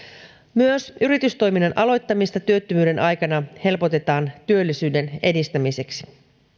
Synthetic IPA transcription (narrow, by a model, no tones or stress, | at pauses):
myøsʔyɾit̪yst̪o̞jminːɑnʔɑlo̞jt̪ːɑmist̪ɑt̪yø̞t̪ːymyːde̞nʔɑjkɑnɑhe̞lpo̞t̪e̞t̪ɑːnt̪yølːisyːde̞ne̞̰dist̪æmise̞ksi̥